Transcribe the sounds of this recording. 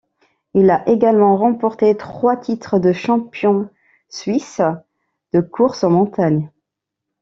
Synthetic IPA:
ilaʔeɡalmɑ̃ʁɑ̃pɔʁt̪et̪χwat̪ʰit̪χəd̪əʃɑ̃pjɔ̃ | sɥis | d̪̥əkʰuʁsɑ̃mɔ̃t̪aɲ

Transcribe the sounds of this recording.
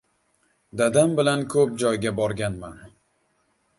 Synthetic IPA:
d̪ad̪ambɪlankʰɵp̚d͡ʒɒjɡʲabɒɾɡʲanman

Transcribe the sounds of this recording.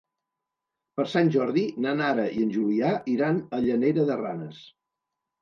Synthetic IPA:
pəɾsanʲʒɔɾðinanaɾəʔiənʲʒuliaʔiɾanəʎəneɾəðəra̰nəs

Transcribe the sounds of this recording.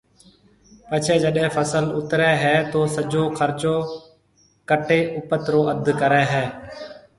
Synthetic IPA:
pət͡ʃʰɛːd͡ʒəɗɦẽːfʰəsəlʊt̪ɾɛːɦɛːt̪oːsəd͡ʒoːxʰəɾt͡ʃoː | kəʈeːʔʊpət̪ɾoːʔəd̪ʱkəɾɛːɦɛː

